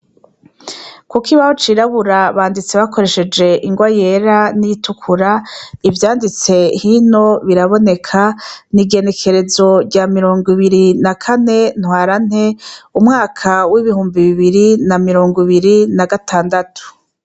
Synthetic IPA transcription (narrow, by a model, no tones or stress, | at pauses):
kukiβahot͡ʃiɾaβuɾaβaːndit͡seβako̞ɾe̞ʃe̞d͡ʒe̞ʔiŋɡwaje̞ɾanijitukʰuɾaivjaːndit͡se̞hino̞βiɾaβo̞ne̞kʰaniɡe̞ne̞kʰe̞ɾe̞zo̞ɾɟaːmiɾo̞ːŋɡwiβiɾinakʰane̞n̥hwaːɾan̥he̞umŋaːkʰawiβiɦuːmbiβiβiɾinamiɾo̞ːŋɡiβiɾinaɡatʰaːndatʰu̥